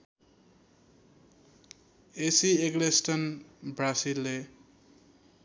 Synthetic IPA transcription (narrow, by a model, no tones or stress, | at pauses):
esieɡlesʈʌnbrasilːe